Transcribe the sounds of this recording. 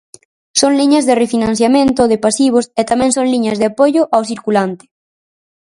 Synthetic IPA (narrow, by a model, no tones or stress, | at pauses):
soŋliɲɐzðerefinãn̟θjamẽnt̪oðepasiβ̞oset̪amɛ̃ŋsõŋliɲɐzðeapoʝʊʔawsiɾkulant̪ɪ̥